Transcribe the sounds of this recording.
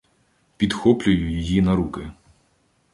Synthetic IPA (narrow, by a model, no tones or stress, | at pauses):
pʲid̪xɔplʲʊjʊjɔjinɐɾukɪ